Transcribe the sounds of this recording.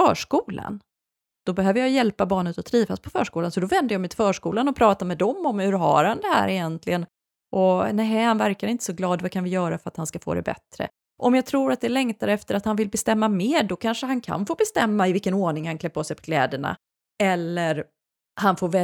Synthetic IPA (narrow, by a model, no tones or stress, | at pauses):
œːʂkuːla̰n | d̪̥ɔbɛhøːvəɾjajɛlpabɑːɳət̪ɔt̪ʰɾiːvaspʰɔfœ̰ːʂkuːlansɔd̪ɔvɛnd̪əjaːmɛt̪ɪ̥fœːʂkuːlanɔpʰɾɑːt̪amɛd̪ɔmɔmhɵɾɦa̰ɾhand̪ɛhæ̰ːɾɪjɛnt̪ʰlɪɡən | ʔɔnæɦɛhanvæɾkaɾɪnt̪ə̥sɔɡlɑːd̪vakʰanvɪjœːɾafœɾat̪hanskafo̰ːd̪ɛ̰bɛ̰t̪ɾə̰ | ʔɔmjɑɡt̪ʰɾuːɾat̪̚d̪ɛlɛŋt̪aɾəɛft̪əɾat̪hanvɪlbɛst̪ɛmːameːɖɔkʰanʂəɦankʰa̰nfoːbɛst̪ɛmːaɪvɪlkːənoːɳɪŋhankʰlɛpːoːsɛɪpʰɔ̥kʰlɛ̰ːd̪əɳa̰ | ɛlːəɾ | hanfoːɾvɛ